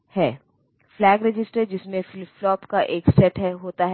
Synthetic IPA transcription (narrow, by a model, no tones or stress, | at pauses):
hɛː | flɛːɡɾɪd͡ʒɪsʈəɾd͡ʒɪsmẽfɪlflɔːpkaʔeːksɛʈɦɛɦoːt̪aɦɛ